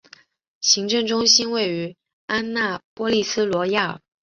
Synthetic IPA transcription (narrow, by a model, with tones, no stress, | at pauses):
ɕi˧˥ŋʈ͡ʂɤ˥˩ŋʈ͡ʂʊ˥ŋɕi˥nwe˥˩ɪy˧˥ | a˥nna˥˩pwɔ˥li˥˩sɹ̩˥lwɔ˧˥ja˥˩˨